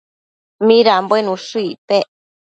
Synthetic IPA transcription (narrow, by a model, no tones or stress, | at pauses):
mĩɾambenũʂuit̪eʔ